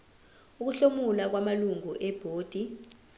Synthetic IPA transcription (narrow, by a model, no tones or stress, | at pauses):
uk̬uɬomulak̬wamaluŋuʔɛb̥ʱoːd̥ʱi